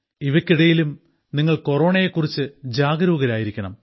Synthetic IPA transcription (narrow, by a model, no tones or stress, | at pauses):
iʋɐkʲːiɽɐjilum | niŋːɐɭkoro̞ːɳɐjekːurit͡ɕːɨd͡ʑaːɡɐɾuːɣɐɾaːjiɾikʲːɐɳɐm